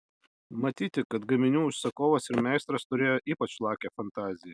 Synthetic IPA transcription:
mɐt̪ʲiːt̪ʲɪkɐt̪ɡɐmʲɪnʲuːʊʃsʲɐkoːʋɐsɪɾmʲɛɪst̪ɾɐst̪ʊɾʲeːjoːʔiːpɐt͡ʃlˠɑːkʲɛfɐnt̪ɑːzʲɪjɛ

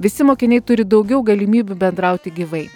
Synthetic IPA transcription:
ʋʲɪsʲɪmoːkʲɪnʲɛɪt̪ʊɾʲɪd̪ɒʊɡʲɛʊɡɐlʲimʲiːbʲubʲɛnd̪ɾɐˑʊt̪ʲɪɡʲiʋɐɪ

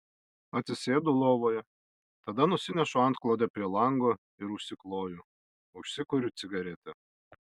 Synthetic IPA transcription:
ɐt̪sʲɪsʲeːd̪ʊlˠoːʋoːjɛ | t̪ɐd̪ɐnʊsʲɪnʲɛʃʊɐˑnt̪̚klˠoːd̪ʲɛpʲɾʲiɛlˠɐŋɡoː | ɪɾʊʃʲsʲɪklˠoːjʊ | ʊʃʲsʲɪkʊɾʲʊt̪sʲɪɡɐɾʲɛt̪ʲɛ

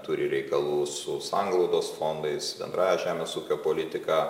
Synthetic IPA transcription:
t̪uːɾʲɪɾʲɛɪkɐlˠuːsʊsɑŋɡlˠɐʊd̪oːsfond̪ɐɪsbʲɛ̰nd̪ɾɑːjɛʒʲæːmʲeːsuːkʲoːpoːlʲɪt̪ʲɪkɑː

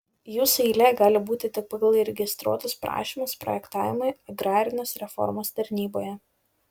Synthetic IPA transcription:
juːsɪlʲɛɡɑːlʲɪbuːt̪ʲɪt̪ʲɪk̚pɐɡɐlˠiɾʲɛɡʲɪst̪ɾṵɔt̪ospɾʔɑ̰ːʃʲiːmɐspɾɔ̰jɛkt̪ɑːʋʲɪmɐɪɐɡɾɑːɾʲɪnʲɛsɾʲɛfɔ̰ɾmost̪ɐɾʲnʲiːboːjɛ

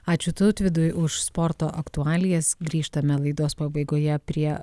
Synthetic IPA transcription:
ɑːt͡ʃʲʊt̪ɐʊt̪ʲʋʲɪd̪ʊjʔʊʃspɔɾt̪oːʔɐkt̪ʊɑːlʲɪjɛsɡɾʲiːʃt̪ɐmʲɛlˠɐɪd̪oːspɐbɐɪɡoːjɛpʲɾʲiɛ

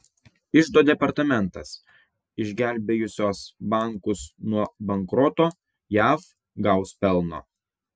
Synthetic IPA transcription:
ɪʒd̪oːd̪ʲɛpɐɾt̪ɐmʲɛnt̪ɐs | ɪʒʲɡʲæˑlʲbʲejʊsʲoːsbɑˑŋˑkʊsnuɔbɐŋkɾɔt̪oː | jæːf | ɡɐʊspʲɛlˠno̰ː

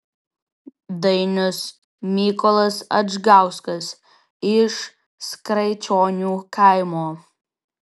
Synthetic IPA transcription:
d̪ɐjnʲʊs | mʲikɔlˠɐsɐ̰ʒɡawskɐs | ɪʃ | skɾɐɪt͡ʃoːnʲuːkʰajmoː

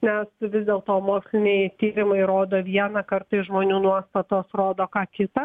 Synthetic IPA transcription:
nʲɛsʋʲɪzd̪ʲeːlˠt̪oːmoːksʲlʲɪnʲɛɪt̪ʲiːɾʲɪmɐɪɾoːd̪oːʋʲiɛnɐkɐrt̪ɐɪsʒmoːnʲuːnuɔst̪ɐt̪oːsroːd̪oːkɑːkʲɪt̪ɐ

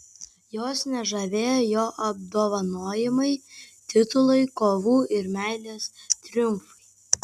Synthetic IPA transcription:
joːsnʲɛʒɐʋʲeːjoːjoːʔɐb̚d̪oːʋɐnoːjɪmɐɪt̪ʲɪt̪ʊlˠɐɪkoːʋuːʔɪɾmʲæɪlʲeːst̪ʲɾʲʊmfɐɪ

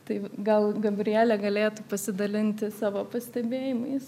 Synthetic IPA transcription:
t̪ɐɪɡɐlˠɡɐbʲɾʲɪjæːlʲɛɡɐlʲeːt̪uːpɐsʲɪd̪ɐlʲɪnʲt̪ʲɪsɑːʋoːpɐsʲt̪ʲɛbʲeːjɪmɐɪs

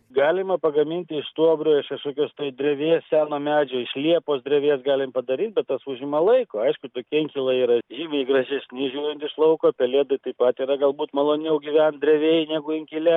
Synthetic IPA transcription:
ɡɑːlʲɪmɐpɐɡɐmʲɪnʲt̪ʲɪɪʃst̪uɔbɾʲoːɪʃkɐʃkoːkʲoːst̪oːjd̪ʲrʲɛʋʲeːssʲæːnoːmʲæːd͡ʒʲoːɪʃʲlʲiɛpoːsd̪ʲɾʲɛʋʲeːsɡɑːlʲɪmpɐd̪ɐɾʲiːt̪̚ʲbʲɛt̪t̪ɐsuʒʲɪmɐlˠɐɪkoːɐɪʃkʊt̪oːkʲɪɪŋʲkʲilˠɐiːɾɐʒʲiːmʲɐɪɡrɐʒʲɛsʲnʲɪʒʲuːɾʲɛnt̪ɪʃlˠɐʊkoːpʲɛlʲeːd̪ɐɪt̪ɐɪpɐt̪iːɾɐɡɐlˠbuːt̪mɐlˠoːnʲɛʊɡʲiʋʲɛnd̪ʲɾʲɛʋʲeːjnʲæːɡʊɪŋʲkʲɪlʲɛ

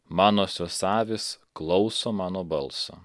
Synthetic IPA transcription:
mɑːnoːsʲosɑːʋʲesklˠɒʊsoːmɑːnoːbɐlˠso̰ː

